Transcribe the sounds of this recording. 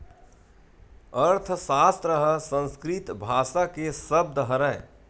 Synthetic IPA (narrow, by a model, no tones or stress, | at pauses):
əɾt̪ʰsaːst̪ɾəɦəsə̃nskɾɪt̪bʱaːʃakesəb̚d̪ɦəɾəe